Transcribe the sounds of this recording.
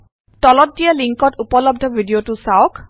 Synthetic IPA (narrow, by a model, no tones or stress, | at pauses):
tɔlɔt̚dijaliŋkɔtupɔlɔb̚dʱɔbʱidijotusaɔk